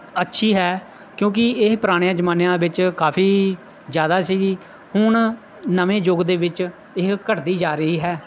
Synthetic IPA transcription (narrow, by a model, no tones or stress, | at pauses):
ətːʃʰiːɦɛː | kjõːk̬ɪɪɦpɾaːɽ̃jãːd͡ʒəmaːnjãːbɪt͡ʃkaːpʰiː | zjaːd̪aːsiːɡiː | hʊɳ | nəʋẽːd͡ʒoːɡd̪eːʋɪt͡ʃ | ɪkkəʈd̪iːd͡ʒaːɾəɦiːɦɛː